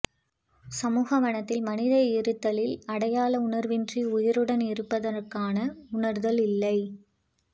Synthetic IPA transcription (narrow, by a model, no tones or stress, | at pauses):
sɐmuːɣɐmɐnɐt̪ːɪlmɐnɪðɐɪɾɯt̪ːɐlɪlɐɽɐjaːlɐʊɳɐɾʋɪndriʊjɪɾɯɽɐnɪɾɯpːɐðɐrkaːnɐʊɳɐɾðɐlɪlːɐɪ